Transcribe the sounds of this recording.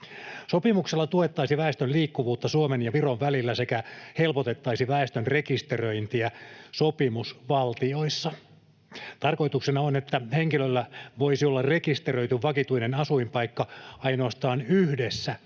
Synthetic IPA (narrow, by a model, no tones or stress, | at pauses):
sopimukselːɑt̪ue̞t̪ːɑisiʋæest̪ønliːkːuʋuːt̪ːɑsuomenjɑʋiroʋʋælilːæse̞kæhe̞lpot̪e̞t̪ːɑisiʋæest̪ønre̞kist̪erøint̪iæsopimusʋɑlt̪io̞isːɑ | t̪ɑrko̞jt̪uksenɑonet̪ːæheŋkilølːæʋoisiolːɑrre̞kist̪erø̞jt̪yʋʋɑkit̪uinenɑsuimpɑikːɑɑino̞ɑst̪ɑːnyhdesːæ